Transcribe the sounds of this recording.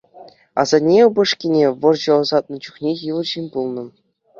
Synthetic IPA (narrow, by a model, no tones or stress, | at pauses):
ɑ̰zɑnʲeɤbɤ̆ʂkʲinʲeʋɤ̆rʑɤ̆ɤ̆zɑt̪̚nɤ̆t͡ɕuχnʲejɯlˠɤ̆ʑinʲbulˠnɤ̆